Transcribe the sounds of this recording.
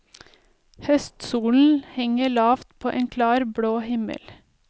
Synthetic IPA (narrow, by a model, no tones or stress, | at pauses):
hœst̪suːln̩hɛŋəɭɑːft̪pʰoːʔeːnkʰlɑːɾbɽoːhɪmə̰l